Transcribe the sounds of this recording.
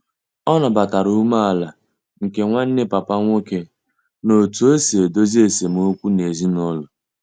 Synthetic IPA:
ɔ˦nɔ˨ba˨ta˨ɾu˦ma˦a˨la˨ | ŋ̩˨ke˦ŋʷa˦n̩˦ne˦pa˨pa˦ŋʷo˦ke˦ | no˨tu˨˦e˦se˨e˨do˦zi˦e˦˨se˨m˨o˦kʷu˦ne˨zi˦nɔ˦lʊ˨

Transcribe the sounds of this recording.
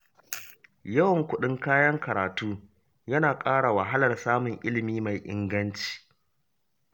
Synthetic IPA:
jɐ˦wɐ˨ŋkʷʊ˦ɗɪ˦ŋkaː˦jɐ˦ŋkɐ˨ɾaː˨tuː˦ | jɐ˦naː˨kʼaː˦ɽa˨wɐ˨ɦa˦lɐ˨rsaː˦mʊ˨ŋʔɪ˦lɪ˨miː˦ma˨jʔɪ̰˦ŋɡɐ˦nt͡ʃi̥ː˨

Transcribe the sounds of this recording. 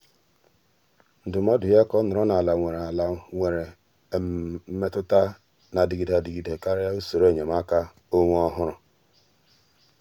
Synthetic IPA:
n̩˨dʊ˨m˦ɔ˦dʊ˨ja˦kɔ˦nʊ˨ɾɔ˦na˨la˨ŋʷe˨ɾe˨la˨ŋʷe˨ɾe˨ | m̩˦me˦tʊ˦ta˦ | na˨di˨ɡi˨da˨di˨ɡi˨de˨ka˦ɾja˦u˦so˨ɾe˦˨ɲe˨m˦a˦ka˦ | o˦ŋʷu˦ɔ˦ɦʊ˦ɾʊ˨

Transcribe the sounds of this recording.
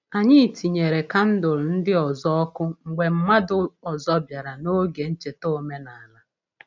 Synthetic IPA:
a˨ɲɪ˦˨tʰi˨ɲe˨ɾe˨ka˦n̩˦dʊ˨ɾʊ˨n̩˦dɪ˦ɔ˨zɔ˦ɔ˦kʊ˦ŋ̩˨ɡ͡be˨m̩˦ma˦dʊ˦ɔ˨zɔ˦bja˨ɾa˨no˦ɡe˨n̩˦t͡ʃe˨to˦˨˦me˦na˨a˨la˦

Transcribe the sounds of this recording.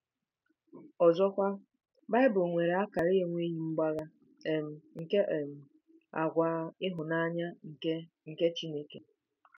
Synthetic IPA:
ɔ˨zɔ˦kʷa˦ | ba˦ɪ˦bʊ˨ŋʷe˨ɾe˨a˦ka˨ɾɪ˦ɣe˦ŋʷe˦ji˦ŋ͡m̩˦ɡ͡ba˦ɣa˦ | e˨m̩˨ŋ̩˨ke˦ʔe˨m̩˨ | a̰˨ɡʷaː˨˦ɪ˦ɦʊ˨na˦ɲa˦ŋ̩˨ke˦ | ŋ̩˨ke˦t͡ʃi˦ne˦ke˨

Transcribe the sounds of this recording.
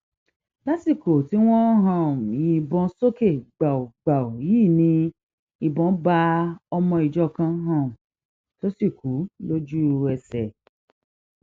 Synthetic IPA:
la˦si˦˨ko˨ti˨˦w̃ɔ̃˦ɦã˦˨m˨ji˨bɔ̃˧˦so˦ke˦˨ɡ͡ba˨o˨ɡ͡ba˨o˨jiː˦˨nĩ˧ | i˧bɔ̃˨˦ba˧ɔ˧mɔ̃˧i˨d͡ʒɔ˦˨kã˧˦ɦã˦˨m̩˨ | to˦si˦˨ku˨˦lo˦d͡ʒu˦ɛ˧sɛ˨

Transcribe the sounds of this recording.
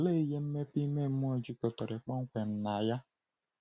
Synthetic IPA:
le˦˨i˦je˦m̩˦me˦pi˦me˦m̩˦m˦ɔ˦d͡ʒi˦ko˨tɔ˨ɾe˨k͡pɔ˦ŋ̩˦kʷe˨n̩˦na˨ja˦

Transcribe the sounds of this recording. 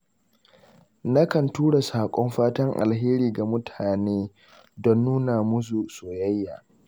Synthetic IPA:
na˦kɐ˨ntuː˦ɽa˨saː˨kʷʼɔ˦mɸaː˦tɐ˦ŋʔa̰˨lɦeː˦ɾiː˨ɡa˨mʊ˦tʰaː˨neː˦ | dɔ˦nːuː˦na˨mʊ˦su˨soː˨ja˦jːaː˨

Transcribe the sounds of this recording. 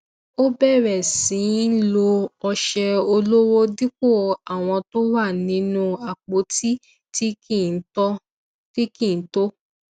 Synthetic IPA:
o˦bɛ˦˨ɾɛ˨sĩ˨˦n̩˦lo˧ɔ˧ʃɛ˧o˧lo˦wo˦di˦k͡p̚o˦˨a˨w̃ɔ̃˧to˦wa˦˨nĩ˨˦nũ˦a˨k͡po˨˦ti˦ | ti˦ki˦˨n̩˦tɔ˦ | ti˦kĩ˦˨n̩˦to˦

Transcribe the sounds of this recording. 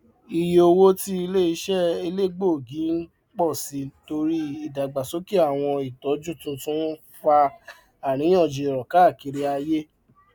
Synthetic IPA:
i˨je˨o˧wo˦ti˦i˧le˦i˧˦ʃɛ˦i˧le˦ɡ͡bo˦˨ɡĩ˨˦n̩˦ | k͡pɔ˦˨si˨˦to˧ɾi˦i˦˨da˨ɡ͡ba˨so˨˦ki˦a˦˨w̃ɔ̃˧i˨tɔ˨˦d͡ʒũ˦˨tũ˧tũ˦ | fa˧ | a˨ɾ̃ĩ˨˦ɔ̃˦˨d͡ʒe˧˨ɾɔ˨ka˨˦˨ki˧ɾi˧a˧je˦

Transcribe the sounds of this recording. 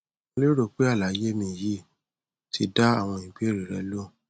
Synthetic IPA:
le˦ɾo˦˨k͡pe˦a˦˨la˨˦je˦mĩ˦˨ji˦˨ | tʰi˧da˦a˦˨w̃ɔ̃˧ĩ˨k͡pe˦ɾi˨ɾɛ˧˦lo˦

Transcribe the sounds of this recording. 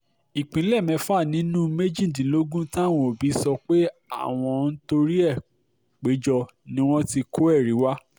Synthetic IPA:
i˨k͡pĩ˨˦lɛ˦˨mɛ̃˨˧fa˦˨nĩ˨˦nũ˦me˦d͡ʒĩ˦˨dĩ˨˦lo˦ɡũ˦tã˦˨w̃ɔ̃˧o˨bi˨˦sɔ˧k͡pe˦a̰˦˨w̃ɔ̃˧n̩˦to˧ɾi˦ɛ˦˨ | k͡pe˨˦d͡ʒɔ˧ | nĩ˦w̃ɔ̃˦ti˧kʰo˦ɛ˦˨ɾi˨˦wa˦

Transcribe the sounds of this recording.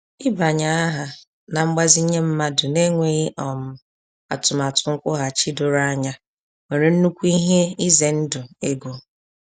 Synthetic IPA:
ɪ˦ba˨ɲa˨˦a˦ɦa˨ | na˨ŋ͡m̩˦ɡ͡ba˦zi˦ɲe˦m̩˦ma˦dʊ˨ne˦ŋʷe˦ɣɪ˦ʔɔ˨m̩˨ | a̰˨tʊ˨m˨a˨tʊ˨ŋ̩˦kʷʊ˦ɦa˨t͡ʃi˦dʊ˦ɾa˦ɲa˦ | ŋe˨ɾe˨n̩˦nu˦kʷu˦i˦ɦe˦i˦ze˨n̩˦dʊ˨e˦ɡo˨

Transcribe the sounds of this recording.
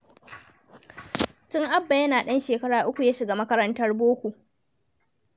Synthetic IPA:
tʊ˦ŋʔa˦bːa˨jɐ˦naː˨ɗɐ˦nʃeː˨kɐ˦ɽaː˨ʔʊ˦kʷu˨jaː˦ʃɪ˨ɡa˦mɐ˦kɐ˦ɾɐ˦ntɐ˦rboː˦kʷu˨ʔ

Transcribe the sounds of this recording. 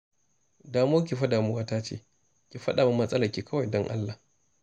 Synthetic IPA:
daː˨moː˦k̬ʲi˨ɸɐ˦daː˨mu˦waː˦taː˦t͡ʃḛː˦ | kʲi˨ɸɐ˦ɗaː˨ma˦mɐ˨sʼɐ˦la˨kʲiː˨kʰɐ˦wa˨jdɔ˦ŋʔa̰˦lːa˨

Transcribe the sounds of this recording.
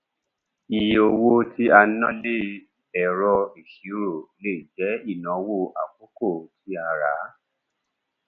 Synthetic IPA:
i˨jo˧˨wo˧ti˦a˧nã˦le˦˨ | bɛ˨ɾɔ˧i˨ʃi˨˦ɾo˦˨le˦˨d͡ʒɛ˨˦i˦˨nã˨wo˦˨ʔa˨k͡po˦ko˦˨ti˦a˧ɾa˨˦

